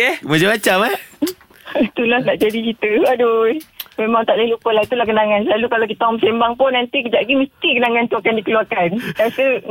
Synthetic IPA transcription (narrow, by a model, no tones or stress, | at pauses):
ɛmad͡ʒamat͡ʃama | t̪ulahnaʔd͡ʒadikit̪əadomemãŋt̪aʔləlupəlahit̪ulahkənaŋansəlalukalak̬it̪aɔməsembaŋpʊnːant̪ikəd͡ʒaʔɡiməst̪ikənaŋant̪uakandikəluakanasə